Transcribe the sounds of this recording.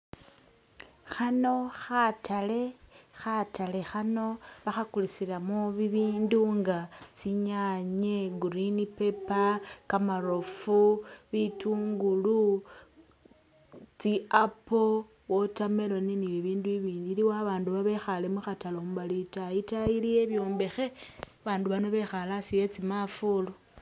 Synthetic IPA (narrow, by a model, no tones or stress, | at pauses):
xano̞xatʰale̞xatale̞xano̞βaxakulisilamoβiβiːnduŋɡat͡siɲaɲeɡuɾinipe̞pakamaɾofuβituːŋɡulu | t͡siapo | wo̞tame̞lo̞niniβiβiːnduiβiːndiliwaβaːnduβaβe̞xale̞muxatalomβalitaitailije̞βjo̞ːmbe̞xe̞ | βaːnduβano̞βe̞xalasije̞t͡simafulo